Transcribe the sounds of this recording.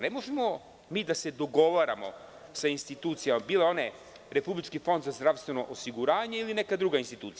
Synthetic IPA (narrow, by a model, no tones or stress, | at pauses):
nemo̞ʒemo | miːd̪ase̞d̪o̞ɡo̞ʋaɾa̰mo̞̰ | sainst̪it̪uːt̪sijamabiːleo̞ne | ɾe̞publit͡ʃkifo̞nd̪zazd̪ɾaʋst̪ʋe̞no̞ʔosiɡuɾaːɲe̞iline̞kad̪ɾuɡainst̪it̪uːt̪sij